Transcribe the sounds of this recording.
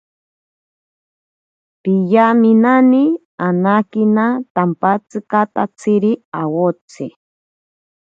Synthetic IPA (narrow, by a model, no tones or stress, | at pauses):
pijaminani | anakinat̪ampat͡sɨkat̪at͡sʰiɾiawot͡sʰɨ